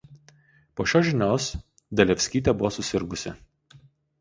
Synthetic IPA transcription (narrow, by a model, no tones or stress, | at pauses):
poːʃʲoːʒʲɪnʲoːs | d̪ʲɐlʲɛfʲsʲkʲiːt̪ʲɛbʊʋoːsʊsʲɪɾɡʊsʲɪ̰